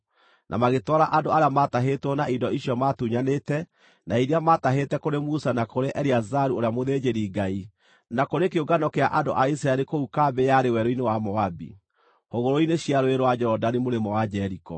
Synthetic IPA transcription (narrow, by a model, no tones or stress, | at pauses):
nʔa̰maɣetwaɾaʔandoaɾeamataɦetwɔnaidɔiɕjɔmatuɲanetɛ | naiɾeamataɦetɛkoɾemusanakoɾeʔɛɾiazaɾuoɾeamoðed͡ʒeɾiɡai | nakoɾekeoɡanɔkeaʔando̰ʔaisɾaeɾekoukaːbejaɾewɛɾoinewamɔabḭ | hoɣoɾoineɕiaɾoeɾowad͡ʑɛɾɔdanimoɾemɔwad͡ʒɛɾikɔ̰